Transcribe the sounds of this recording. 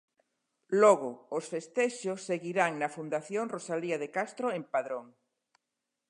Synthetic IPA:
lɔɣoːsfest̪eʃosːeɣiɾaŋnɐfund̪aθjoŋrosaliaðekast̪ɾoempaðɾoŋ

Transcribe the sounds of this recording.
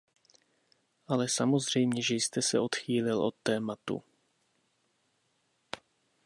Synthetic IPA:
ʔalɛsamo̞zr̝ɛjmɲɛʒɛjst̪ɛsɛ̰o̞t̪xiːlɪlʔo̞̰t̪ːɛːmat̪ṵ

